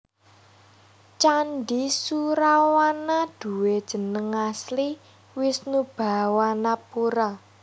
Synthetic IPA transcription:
t͡ʃanɖisuɾawanad̪̥ṳwed̥ʒ̥ə̤nəŋasli | wɪsnub̥a̤wanapuɾa

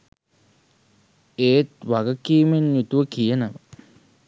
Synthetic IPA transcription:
eːt̪ʋaɡəkiːmeɲːjut̪uʋəkijənəʋə

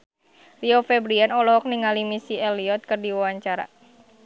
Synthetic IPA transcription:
riɔfɛbɾiɛnɔlɔɦɔk̚niŋalimisiɛliɔt̪̚kɨrdiwawaɲt͡ʃaɾa̰

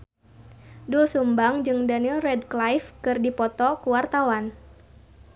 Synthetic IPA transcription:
dulsumbaŋd͡ʒɨŋdanilrɛdklajfkɨrdipɔt̪ɔkuwart̪awan

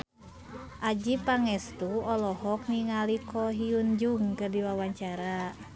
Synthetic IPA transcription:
ʔad͡ʒipaŋɛst̪uɔlɔɦɔk̚niŋalikʰɔɦiund͡ʒuŋkɨrdiwawaɲt͡ʃaɾa

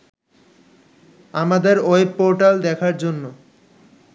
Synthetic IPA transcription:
amad̪eɾoepoɾʈald̪ɛkʰaɾd͡ʑonːo

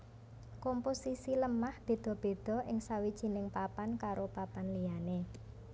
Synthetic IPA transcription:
kɔmposisiləmahd̪̥e̤d̪̥ɔ̤b̥e̤d̪̥ɔ̤ʔɪŋsawid̥ʒ̥i̤nɪŋpapankaɾopapanliane

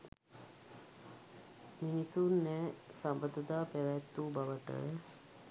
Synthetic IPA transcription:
minit̪unːɛːsambəd̪əd̪aːpæʋæt̪ːubaʋəʈə̰jə

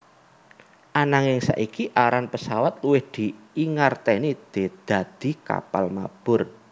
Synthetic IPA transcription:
ʔanaŋɪŋsa̰ʔikiʔaɾanpəsawat̪̚luwɪhd̪̥i̤ | iŋart̪ɛnid̪̥e̤d̪̥a̤d̪̥i̤ka̰pa̰lma̰b̥ʊ̤r

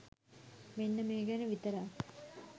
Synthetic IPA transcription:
menːɐmeːɡanəʋit̪ɐɾa

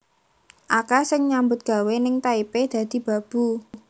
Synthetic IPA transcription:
ʔakasɪŋɲambʊt̪̚ɡ̥a̤wenɪŋt̪aiped̪̥ä̤d̪̥i̤b̥ä̤b̥ṳ

